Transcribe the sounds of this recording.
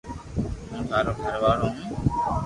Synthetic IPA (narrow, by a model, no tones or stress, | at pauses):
ɦũːt̪ʰaːɾoːɡʱəɾʋaːɽõːɦũː